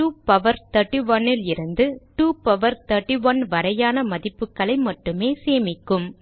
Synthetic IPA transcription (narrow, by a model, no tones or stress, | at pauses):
ʈuːpɐʋɐɾt̪ɐɾʈːiʋɐnːɪlɪɾɯnd̪ɯʈuːpɐʋɐɾt̪ɐɾʈːiʋɐnʋɐɾɐjaːnɐmɐðɪpːɯkːɐɭɐɪmɐʈːɯmeːseːmɪkːɯm